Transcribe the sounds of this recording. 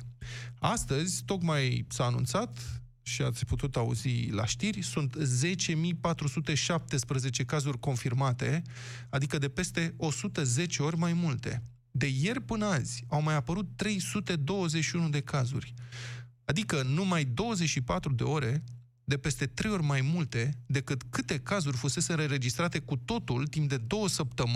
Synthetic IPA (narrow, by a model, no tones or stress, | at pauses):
ast̪əzʲt̪o̞kmajsaːnṵnt̪sat̪ | ʃiat̪sʲput̪ut̪aṵzila̰ʃt̪irʲsunt̪ze̞t͡ʃe̞mijpat̪ɾusut̪e̞ʃap̚t̪e̞spɾəze̞t͡ʃe̞kazurʲko̞nfirmat̪e̞ | ad̪ikəd̪e̞pe̞st̪e̞o̞sut̪əze̞t͡ʃe̞o̞rʲmajmult̪e̞̰ | d̪e̞je̞rʲpɨnazʲawmajapəɾut̪ːɾe̞jsut̪e̞d̪o̞wəze̞t͡ʃʃiunud̪e̞kazṵrʲ | ad̪ikənumajd̪o̞wəze̞t͡ʃʃipat̪ɾud̪e̞̰o̞ɾe̞ | d̪e̞pe̞st̪e̞t̪ɾe̞jo̞rʲmajmult̪e̞d̪e̞kɨt̪kɨt̪e̞kazurʲfuse̞seɾəɾe̞d͡ʒist̪ɾat̪e̞kut̪o̞t̪ult̪impd̪e̞d̪o̞wəsəp̚t̪əm